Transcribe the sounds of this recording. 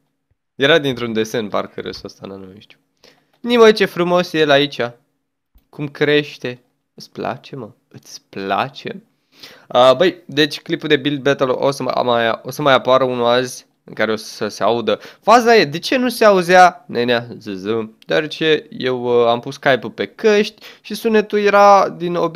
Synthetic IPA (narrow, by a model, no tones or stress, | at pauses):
je̞ɾad̪int̪ɾund̪e̞se̞npa̰rkəɾḛsost̪a̰nanoeʃt̪ju̥ | nimət͡ʃe̞fɾumo̞sje̞lait͡ʃʲa | kumkɾe̞ʃt̪e̞ | ɨt̪sʲpla̰t͡ʃe̞mə | ɨt̪sʲpla̰t͡ʃe̞m | əbəjd̪e̞t͡ʃʲklipuld̪e̞bild̪̚bet̪əlʔo̰sə̰a̰majo̞səmajapaɾəunuazʲ | ɨŋkaɾe̞ossəseaud̪əfazaje̞d̪e̞t͡ʃe̞nuse̞auzanʔenazɨzɨmd̪̥oaɾe̞t͡ʃe̞je̞wampusːkajpupe̞kəʃt̪ʲʃisunet̪uje̞ɾad̪inob